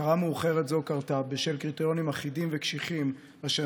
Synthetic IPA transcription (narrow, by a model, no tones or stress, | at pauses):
aʁameuχe̞ʁetzo̞kaʁtabeʃelkʁitejo̞nimaχidimvekʃiχim | aʃa